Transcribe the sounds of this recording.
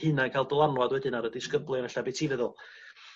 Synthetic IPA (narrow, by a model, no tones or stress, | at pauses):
hɨnakʰaɪlˠdəlˠanwadwɛdɪnaɾədɪskəblˠɪɔnəɬabejtʰiːvəðʊlˠ